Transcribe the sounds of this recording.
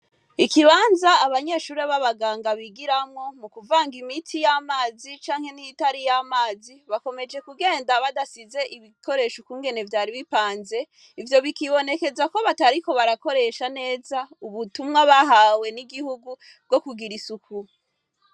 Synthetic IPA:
ikiβaːnzaːβaɲe̞ːʃuːɾiaβaβaɡaːŋɡaβiɡiɾamŋo̞mukuvaːŋɡimitʰijamaːzit͡ʃaːŋhe̞nitaɾijamaːziβako̞me̞d͡ʒe̞kuɡe̞ːndaβadasize̞ʔiβikʰo̞ɾe̞ːʃokuːŋɡe̞ne̞vjaːɾiβipaːnze̞ | ivjo̞βikiβo̞ne̞ke̞zako̞βataɾiko̞βaɾako̞ɾe̞ʃane̞ːzauβutumŋaβaɦawe̞niɡihuɡu | b̚ɡo̞kuɡiɾisuku

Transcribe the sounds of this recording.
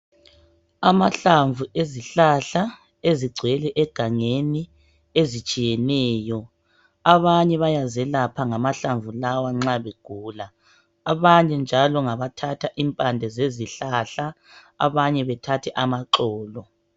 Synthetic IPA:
amaɬaɱvueziɬaɬa | eziɡ͡ǀʱwɛlɛʔɛɡ̥ʱaŋeni | ezit͡ʃʼijɛnɛːjɔ | aβaɲɛβajazɛlapʰaŋamaɬaɱvʱulawaŋ͡ǁaβeɡ̥ʱuːlaː | βaɲɛnd͡ʒʱalɔŋaβatʰatʰaʔimpʼandʱɛzeziɬaɬa | a̰βaɲɛβɛtʰatʰɛʔamaǃɔːlɔ

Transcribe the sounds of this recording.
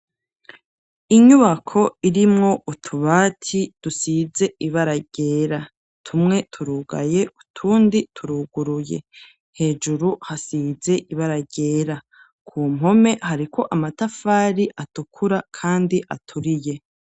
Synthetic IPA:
iɲuβakʰo̞iɾimŋo̞ʔutʰuβaːtʰid̥usize̞ʔiβaɾaɟe̞ːɾa | tʰumŋe̞tʰuɾuɡa̰je̞ʔutʰuːnditʰuɾuɡuɾuje̞̰ | he̞ːd͡ʒuɾuhasize̞ʔiβaɾaɟe̞ːɾa | kʰuːm̥ɦo̞me̞haɾikʰo̞ʔamatafaːɾiʔatukʰuɾakʰaːndiʔa̰tʰuɾije̞

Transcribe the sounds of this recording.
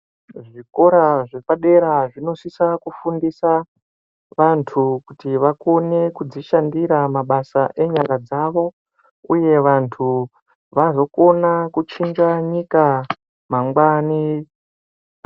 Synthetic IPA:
ʐiko̞ɾaʐe̞paɗe̞ɾaʐino̞sisakufundisa | ʋantʰukutiʋako̞ne̞kud͡ziʃandiɾamaɓasaʔe̞ɲaŋɡad͡zaʋo̞ | uje̞ʋantʰu | ʋazo̞ko̞nakut͡ʃiŋɡaɲika | maŋɡwaːni

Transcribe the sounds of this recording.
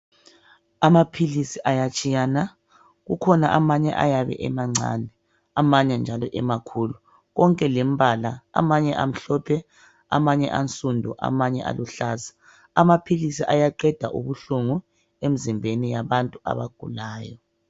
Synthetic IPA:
amapʰilisiʔajat͡ʃʼijana | ɣukʰɔnaʔamaɲɛ̰ʔa̰jaβɛ̰ʔɛmaŋ͡ǀʱa̰nɛ | amaɲɛnd͡ʒʱalɔʔɛmakʰulu | ɣɔŋkʼɛlem̩βʱalaa̰maɲɛʔam̩ɬɔpʰɛ | a̰maɲɛʔant͡sʼundʱɔʔa̰maɲɛʔa̰luɬaza | amapʰilisiʔajaǃɛd̥ʱaʔuβuɬuŋu | em̩zimbʱenijaβantʼua̰βaɡ̥ʱṵlaːjɔ

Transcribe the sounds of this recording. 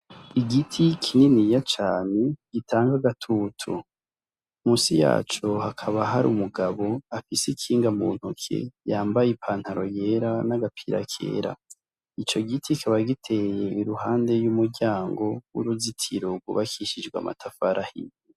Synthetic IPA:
iɡitʰikʰininijat͡ʃaːne̞ɡ̥itʰaːŋɡaɡatʰuːtʰṵ | muːsija̰ːt͡ʃohakʰaβaɦaɾṵmuɡaβo̞afisekʰiːŋɡamuːn̥hukʰḛjaːmbajepʰaːnhaɾo̞je̞ɾanaɡapʰiɾa̰kʰḛːɾa̰ | it͡ʃo̞ɡitʰikʰaβaɡitʰe̞je̞iɾuhaːnde̞jumuɾɟaːŋɡo̞wṵɾuzitʰiɾoɡṵβakʰiʃid͡ʒɡwa̰mʔa̰tʰafaɾʔahḭni

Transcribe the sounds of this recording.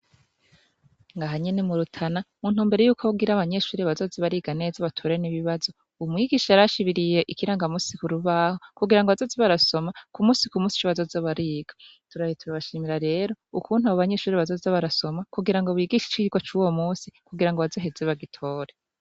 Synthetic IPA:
ŋɡaɦaɲenemuɾutʰanamun̥huːmbeɾejuːkʰo̞βuɡiɾaβaɲe̞ʃuːɾiβazo̞ziβaɾiːɡane̞ːzaβatʰoɾeniβiβazo̞ | umŋiːɡiːʃaɾaʃiβiɾije̞ʔikiɾaŋɡamuːsikuɾuβaːho̞kuɡiɾaŋɡoazoziβaɾaso̞makumuːsikumuːsi̥t͡ʃoβazozoβaɾiːɡ̥ḁtuɾajituɾaβaʃiːmiɾaɾe̞ːɾo̞ukuːnhuaβaβaɲe̞ʃuːɾiβazozaβaɾaso̞makuɡiɾaŋɡo̞βiːɡiːʃi̥t͡ʃiɡwat͡ʃuwomuːsikuɡiɾaŋɡoβazo̞ɦe̞zeβaɡitʰo̞ːɾe

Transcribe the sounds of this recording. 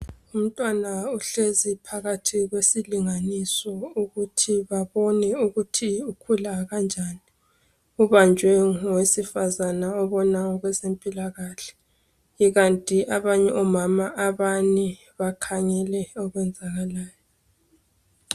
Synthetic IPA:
um̩tʼwanauɬezipʰaɣatʰiɣwesiliŋanisɔuɣutʰiβaβɔnɛuɣutʰiukʰulaɣand͡ʒʱani | uβand͡ʒʱwɛŋɔwesifazanaɔβɔnaŋɔɣwɛzempʼilaɣaɬɛ̥ | iɣantʼiʔaβaɲɛʔɔmamaʔaβani | βakʰaɲɛlɛɔɣwɛnd͡zʱaɣalaːjɔ

